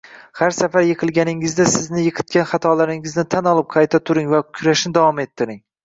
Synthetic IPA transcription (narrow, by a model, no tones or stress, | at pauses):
haɾsafaɾjɨqʰɨlˠɡʲanɪŋɪzd̪asɪznɪjɨqʰɨ̥t̪̚kʲanχɑt̪ʰɒlaɾɪŋɪznɪt̪ʰanɒlˠɪp̚qʰɑjt̪ʰat̪ʰʊɾɪŋvakʲʰʊɾaʃnɪd̪avɒme̞t̪ʰːɪɾɪŋ